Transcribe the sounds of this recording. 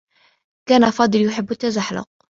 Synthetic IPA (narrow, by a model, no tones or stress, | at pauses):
kaːnafɑːd̪ˤɨljʊħɪbːʊt̪ːazaħlɑ̰q̚